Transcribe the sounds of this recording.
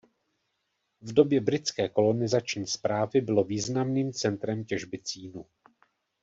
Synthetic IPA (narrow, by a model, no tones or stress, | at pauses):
vdo̞bjɛbɾɪt͡skɛːko̞lo̞nɪzat͡ʃɲiːspɾaːvɪbɪlo̞viːznamniːmt͡sɛnt̪ɾɛmcɛʒbɪt͡siːnu